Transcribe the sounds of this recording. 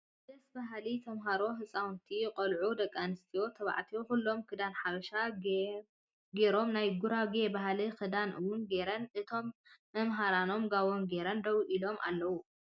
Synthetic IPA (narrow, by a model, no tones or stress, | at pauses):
d̪ɐsbaɦlit̪ʰɐmɦaɾo̞ɦɨsʼawnt̪ʰijqʼɐlʕud̪ɐkʼːanɨst̪ʰijo̞t̪ʰɐβa̰ʕt̪ʰijokulːo̞mkʰɨd̪anħaβɐʃa | ɡeɾo̞mnajɡuɾaɡebaɦlikɨd̪anʔɨwunɡe̞ɾɐnʔɨt̪ʰo̞mː | ɐmɦaɾano̞mɡaβo̞nɡe̞ɾɐnd̪ɐwʔilo̞ma̰lːɐwu